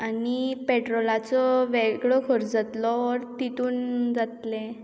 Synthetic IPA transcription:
anipeʈɾɔlat͡sɔʋeɡɭɔkʰəɾd͡zat̪lɔːɾt̪it̪uːnd͡zat̪lẽ

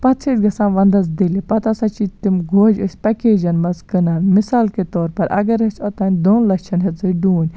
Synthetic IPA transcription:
pɐt̪sʰit̪ʲɡɐsãːnʋɐnd̪ɐzd̪ilipɐt̪asɐt͡ʃit̪imɡoːd͡ʒusʲpɐkeːd͡ʒɐnmɐzkɨnaːnmisaːlket̪ɔːɾpɐɾʔɐ̰ɡɐɾɐsʲɔt̪ɐːnʲd̪oːnlɐt͡ʃʰɐnɦɐt͡sɨɖuːnʲ

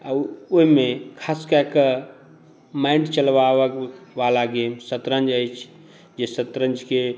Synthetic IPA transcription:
aoɦimekʰaskaekə | maiɳɖt͡ʃəlʋawəkʋalaɡemsət̪ɾənd͡ʒəjt͡ʃʰ | d͡ʒesət̪ɾənd͡ʒke

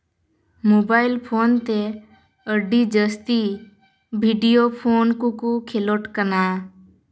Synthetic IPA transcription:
moːbaːɪlpʰoːnt̪e | əɖid͡ʒəst̪i | bʱiɖijoːpʰoːnkukukʰeloʈkənaː

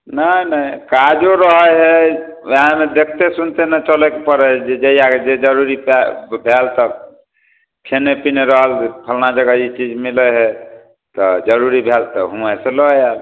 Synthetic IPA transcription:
nənəikad͡ʒoɾəɦəɦɛɦãmed̪ekʰt̪esunt̪enət͡ʃəlɛkepəɾɛd͡ʒed͡ʒejaked͡ʒed͡ʒəɾuɾipbʱelt̪ɔ | kʰenepineɾəɦəlpʰəlnad͡ʒəɡəit͡ʃid͡ʒmiləɦɛ | t̪ɔd͡ʒəɾuɾibʱelt̪ɔɦuməseloal

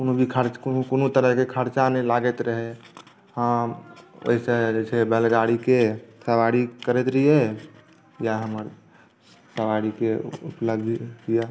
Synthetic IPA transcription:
konubʱikʰəɾt͡ʃkkonut̪əɾəkekʰəɾt͡ʃanɛlaɡɛt̪ɾəɦɛ | həã | o̰ɦisẽd͡ʒet͡ʃʰɛbɛlɡaɽikesəʋaɽikəɾet̪ɾije | jaɦəməɾ | səʋaɽikeṵpləbd̪ʱja

